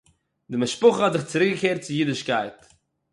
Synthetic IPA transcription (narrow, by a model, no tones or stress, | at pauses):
dɪmɪʃpʊχəhɔtzɪχt͡sɪɾɪkɡəkeːɾt̚t͡sɪjidɪʃkaɪt